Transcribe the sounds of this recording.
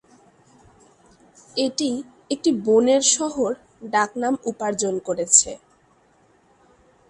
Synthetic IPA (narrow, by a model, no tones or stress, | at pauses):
eʈi | ek̚ʈiboneɾʃɔɦoɾ | ɖaknamupaɾd͡ʑonkoɾet͡ɕʰḛ